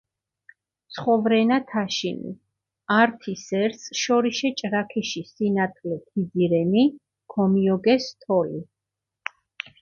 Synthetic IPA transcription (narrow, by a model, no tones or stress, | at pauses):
t̪sʰχɔvɾɛnat̪ʰaʃinḭ | aɾt̪ʰisɛɾsʃɔɾiʃɛt͡ʃʼɾakʰɛʃisinat̪ʰlɛt̪ʰid̪ziɾɛni | kʰɔmiɔɡɛst̪ʰɔli